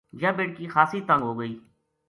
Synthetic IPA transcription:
d͡ʒaːbeːʈkiːxaːsiːt̪ə̃ŋɡɦoːɡəiː

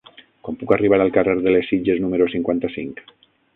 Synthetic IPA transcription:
kwampukariβ̞aɾalˠkareɾðəlesːid͡ʒeznumeɾosiŋkwant̪asiŋk

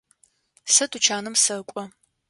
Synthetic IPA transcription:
sɐtʰʼut͡ʃʰaːnɨmsɐkʷʼɔ

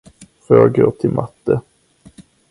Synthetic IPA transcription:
føːɡot̪ʰɪlmʔat̪ːə

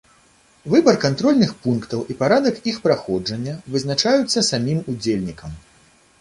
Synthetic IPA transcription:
vɨbɐrkant̪ɾɔlʲnɨxpunkt̪ɐwʔipaɾad̪ɐkixpɾaxɔd͡ʐɐnʲːɐvɨznat͡ʂajut̪sːɐsamʲimud͡zʲelʲnʲikɐm

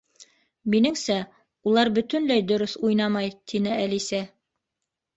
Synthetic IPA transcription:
minɘŋsæ | ulˠɑɾbɵ̆t̪ɵ̆nlæjd̪ŏɾɵθujnɑmɑjt̪ʰinɘælisæ

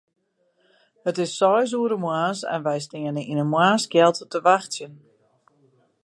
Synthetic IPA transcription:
hətɪsːɔjs̬uəɾəmwaːsɛ̰nʋɛjstɪənəinənmwaːskjɛlˠttəʋaxtsjən

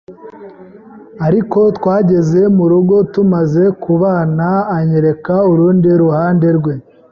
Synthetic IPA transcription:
aɾiko̞twaːɟe̞ze̞muɾuɡo̞tumaze̞kuβaːnaːɲeɾe̞kauɾuːndiɾuhaːnde̞ɾɡwe̞

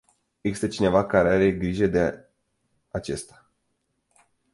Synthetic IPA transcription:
eɡzist̪et͡ʃine̞vakaɾeaɾe̞ɡɾiʒed̪e | at͡ʃe̞st̪ḁ

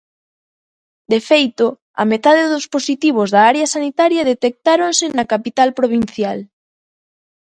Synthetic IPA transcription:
d̪efejt̪o | ɐ̰met̪aðeðʊsposit̪iβ̞ozðɐaɾeɐsanit̪aɾjɐðet̪ek̚t̪aɾonsɪnɐkapit̪alpɾoβ̞in̟θjal

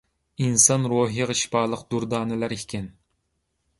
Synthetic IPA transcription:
insɑnɾoɦiʁɨʃpɑːlˠəqd̪̥uɾd̪ɑːnɪlæɾikʲɪn

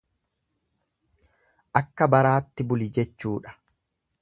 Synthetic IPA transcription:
ʔɐkːɐbɐɾaːt̪ːɪbʊlɪd͡ʒɛt͡ʃːuːᶑɐ̥

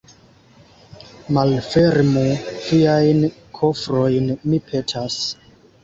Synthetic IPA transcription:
malfeɾmufiajnkʰofɾojnmipʰetʰas

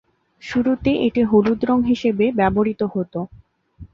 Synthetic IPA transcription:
ʃuɾut̪eʔeʈiɦolud̪ɾoŋɦiʃebebɛboɾit̪ohot̪o

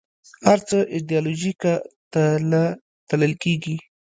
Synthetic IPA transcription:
haɾt͡səʔɪd̪jɑloʒikat̪ala | t̪aləlkeɡi

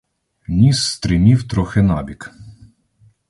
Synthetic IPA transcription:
nʲisːt̪ɾɪmʲiwt̪ɾɔxɪnɑbʲik

